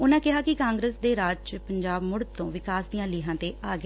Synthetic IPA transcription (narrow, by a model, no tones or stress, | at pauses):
ʊnãːkɪɦaːkɪkãːŋɡɾeːsd̪eːɾaːt͡ʃpəɲd͡ʒaːbmʊɽd̪t̪õːʋɪkaːsd̪ijãːlɪːɦãːt̪eːaːɡ